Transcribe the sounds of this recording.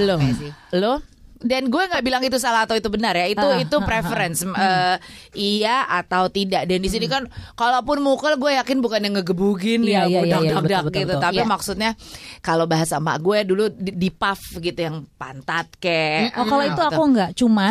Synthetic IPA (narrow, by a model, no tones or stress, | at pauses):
lʊlʊh | danɡuɛŋɡaʔbilaŋit̪usalahat̪awit̪ubənarjait̪uit̪upɾefəɾɛnsəːiaat̪awt̪idaʔdandis̬inikankalapʊnmukəlɡuɛjakɪnbukanjaŋəɡəbuɡɪnjadadakdaɡitt̪ut̪apimaksut̪̚ɲakalobaɦasama̰ɡuɛduludipafɡit̪ujaŋpa̰nt̪at̪̚kɛkaloit̪uakuŋɡaʔt͡ʃuma